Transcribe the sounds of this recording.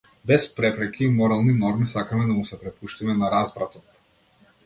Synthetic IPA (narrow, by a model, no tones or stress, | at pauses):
bɛspɾɛpɾɛkiːmɔɾalˠninɔɾmisakamɛd̪amusɛpɾɛpuʃt̪imɛnaɾazvɾat̪ɔt̪